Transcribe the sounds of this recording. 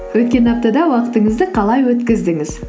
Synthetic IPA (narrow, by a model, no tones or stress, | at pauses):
wɵt̪̚kʲe̞nɑp̚t̪ɑd̪ɑwɑqə̥t̪əɴəzd̪əqʰɑlˠɑjwɵt̪kʲɪzd̪ɪŋɪz